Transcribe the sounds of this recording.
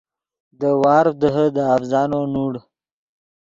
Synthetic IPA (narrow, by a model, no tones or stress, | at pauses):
d̪əwɑːɾd̪əɦəd̪əafzɑːnonuːɽ